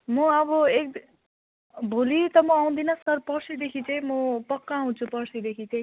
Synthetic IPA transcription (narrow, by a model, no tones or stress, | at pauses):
mʌʌbʌek | bʱolit̪ʌmʌaw̃d̪inʌsʌrpʌrsid̪ekʰit͡saj̃mʌpʌkːãɦũt͡sʰupʌrsid̪ekʰit͡sãj̃